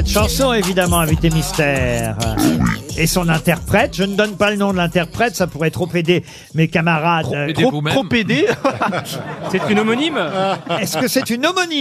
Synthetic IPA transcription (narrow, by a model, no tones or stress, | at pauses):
sɛt̪ʃɑ̃sɔ̃evid̪amɑ̃ɛ̃vit̪emist̪ɛʁ | esɔ̃nɛ̃t̪ɛʁpχɛt̪ʒənəd̪ɔnpalənɔ̃d̪əlɛ̃t̪ɛʁpχɛt̪sapuʁɛt̪χoped̪e | mekamaʁad̪t̪oχoped̪e | sɛt̪ynomɔnimɛskəsɛt̪ynɔmɔni